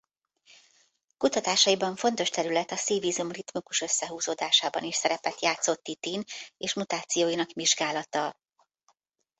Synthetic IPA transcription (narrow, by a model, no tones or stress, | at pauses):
kut̪ɒt̪aːʃɒjibɒɱfo̞n̪t̪o̞ʃt̪ɛɾylɛt̪ɒsiːviːzumrit̪mukuʃø̞sːɛɦuːzoːd̪aːʃaːbɒ̰niʃsɛɾɛpɛt̪jaːt̪so̞t̪ːit̪iːneːʃmut̪aːt̪sijoːjinɒkmiʒɡaːlɒt̪ɒ